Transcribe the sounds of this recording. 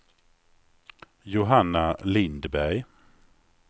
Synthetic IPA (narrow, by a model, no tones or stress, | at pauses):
jʊɦanːalɪnd̪bæɾj